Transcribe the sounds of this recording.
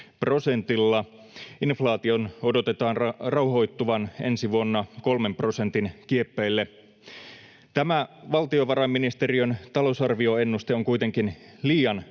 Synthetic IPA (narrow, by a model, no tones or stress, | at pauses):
pro̞se̞nt̪ilːɑ | inflɑːt̪io̞no̞dot̪et̪ɑːnrɑwɦo̞jt̪ːuʋɑne̞̰nsiʋuonːɑko̞lme̞mpro̞se̞nt̪inkiepːeilːe | t̪æmæʋɑlt̪io̞ʋɑɾɑmːinist̪eriønt̪ɑlo̞usɑrʋio̞e̞nːust̪eoŋkujt̪e̞ŋkinliːjɑn